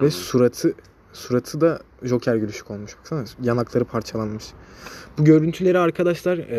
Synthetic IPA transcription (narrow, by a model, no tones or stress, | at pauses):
vɛsuɾat̪ʰɯ | suɾat̪ʰɯd̪a | ʒo̞cʰæɾɟylʲyʃy̥ko̞lˠmuʃbaksanjanaklˠaɾɯpʰaɾt͡ʃʰalˠanmɯʃbuɟø̞ɾynt̪ʰylʲe̞ɾiaɾkʰad̪aʃlˠaɾ